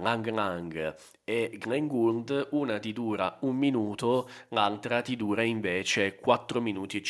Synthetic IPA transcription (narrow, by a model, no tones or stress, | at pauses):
aŋɡɾaŋɡ | eɡɾɛŋɡuld̪uːnat̪id̪uːɾaumːinuːt̪oalt̪ɾat̪id̪uːɾaiɱveːt͡ʃekwat̪ːɾominuːt̪it͡ʃ